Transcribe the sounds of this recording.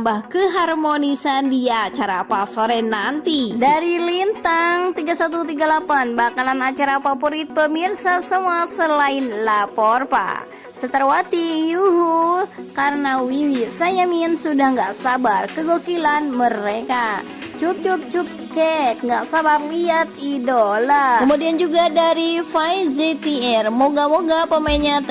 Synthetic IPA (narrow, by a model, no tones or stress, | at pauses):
mbahkəɦarmonisandiat͡ʃaɾapasoɾɛnant̪idaɾilint̪aŋt̪iɡasat̪ut̪̬iɡalapanbakalanat͡ʃaɾapapoɾit̪̚pəmirsasəmuasəlainlapɔrpa̰ | sət̪ərwat̪ijuɦukarənawiwisajaminsudahŋɡaʔsabarkəɡokilanməɾeka | t͡ʃup̚t͡ʃup̚t͡ʃup̚ | kɛk̚ŋɡaʔsabarliat̪̚idolakəmudiand͡ʒuɡadaɾifajzit̪iɛrmoɡamoɡapəmainɲat̪